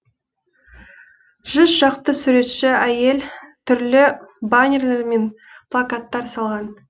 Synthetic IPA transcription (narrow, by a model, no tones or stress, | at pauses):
ʒ̥ʏzʒɑqt̪əsʉɾe̞t̪ʃɪæje̞lt̪ʰʏɾlɪbanʲerleɾme̞n | pʰlˠakat̪ːɑɾsɑlˠʁɑn